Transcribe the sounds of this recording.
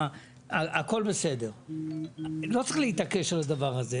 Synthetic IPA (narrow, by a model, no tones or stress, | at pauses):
aako̞lbese̞de̞ʁ | lo̞tt͡sʁiχleit̪ake̞ʃalad̪avaʁaze